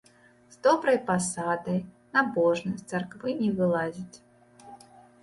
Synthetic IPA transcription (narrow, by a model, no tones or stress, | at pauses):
z̥d̪ɔbɾɐjpasad̪ɐj | nabɔʐnɐsʲt̪sɛrkvɨnʲɛvɨlˠazʲit͡sʲ